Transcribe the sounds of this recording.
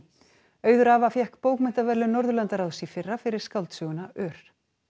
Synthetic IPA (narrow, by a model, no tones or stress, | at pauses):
œːɥðʏɾaːvafjɛhkpoːwkmɪn̥t̪avɛɾlʏnɔɾðʏlant̪aɾawðsifɪrːafɪɾɪɾ̥skalt̪sʏɣʏnaʔœːɾ̥